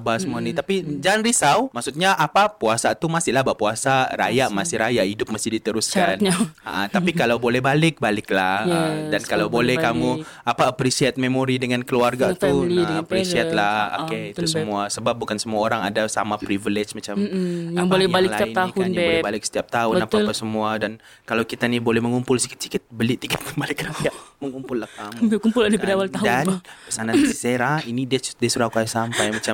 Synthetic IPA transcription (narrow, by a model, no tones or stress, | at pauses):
basəmuanit̪apid͡ʒaanɾisawmaksut̪̚ɲaʔapapuasat̪umasɪlahbaʔpuasaɾa̰jaʔmasɪhɾajaʔidʊp̚masɪhdit̪əɾuskanɲaa̰ʔa̰t̪apikalawbolɛhbalɪk̚balɪk̚lahədankalawbolɛhkamuapaəpɾisiat̪̚memoɾidəŋankəluarɡat̪upɾisiat̪̚lao̰keit̪usəmuasəbap̚bukansəmuaoɾaŋa̰dasa̰mapɾiviled͡ʒmat͡ʃamjaŋbolɛalɪklsat̪iaɪnt̪ahʊnbɛolɛbalɪk̚sə̥t̪iap̚t̪aʊbənappasəmuadan | kalawkit̪anibolɛhməŋumpʊlsi̥kɪt̪̚si̥kɪt̪̚bəlit̪ikɪt̪̚kəbalɛkəɾaiaməŋumpʊlːakːamukumpʊlaniədawalt̪adanpəsanasiseɾainidiadiasuɾakuajasampajmat͡ʃa